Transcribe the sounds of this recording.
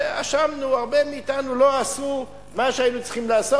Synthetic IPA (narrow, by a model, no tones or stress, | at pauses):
a̰ʃamnuaʁbemiːtanulo̞asu | maʃeainut͡si̥χimlaːso